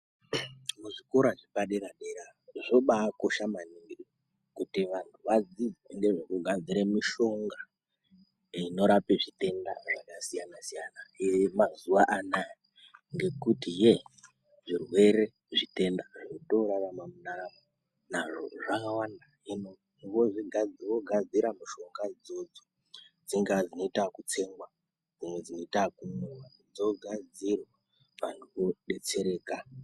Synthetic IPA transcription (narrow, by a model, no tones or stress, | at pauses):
muʐikoɾaʐipaɗeɾaɗeɾaʐoɓaːko̞ʃamaniŋɡi | kutiʋantʰuʋad͡zid͡zeŋɡe̞ʐokuɡʱad͡ziɾemiʃo̞ŋɡa | ino̞ɾapeʐite̞nda̰ʐakasijanasijanajemazuʋaʔanaji | ŋɡe̞kutije | ʐirwe̞ɾe̞ | ʐite̞ndaʐioto̞ɾaʋamamunaaa | naʐo̰ʐakawanda | ino | ʋoʐiɡʱad͡zʋoɡʱad͡ziɾamuʃo̞ŋɡad͡zo̞d͡zo | d͡ziŋɡad͡zino̞itakut͡se̞ŋɡwa | d͡zimwe̞d͡zino̞itakunowanud͡zoɡʱad͡zirwa | ʋan̤ʰuʋo̞ɗe̞t͡se̞ɾe̞ːka